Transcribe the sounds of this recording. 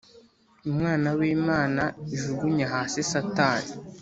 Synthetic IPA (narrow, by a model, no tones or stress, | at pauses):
umŋaːnawiːmaːnaiʒuɡuɲaɦaːsesataːni